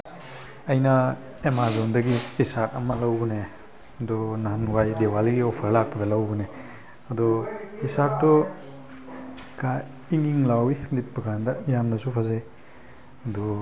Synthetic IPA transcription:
ɐjnɐ | emazondɐɡihisatɐmɐlɐwɡɔne | ɐdɔnanuɡajdewaliɡiopʰɐɾlak̚pɐdɐlɐwɡɔne | ɐdɔhisap̚tɔ | ka | iŋiŋlawinit̚bɐɡʰandɐjamnɐsupʰazaj | ɐdɔ

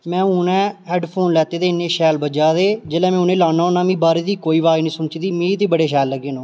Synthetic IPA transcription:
mɛ̃ːuːnɛ̃ːɛːɖpʰoːnlɛːt̪eːd̪eːɪnːeːʃɛːlbəd͡ʒaːd̪eːd͡ʒeːlɛ̃ːmɛ̃ːʊnẽːlaːnaːʊnaːmĩːbaːɾeːd̪iːkoːiːʋaːjnĩːsʊnt͡ʃiːd̪iːmĩːt̪eːbəɽeːʃ̬ɛːlːəɡeːnõː

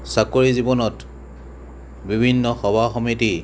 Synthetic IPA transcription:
sakoɹizibɔnɔt | bibʱinːɔxɔbʱaxɔmiti

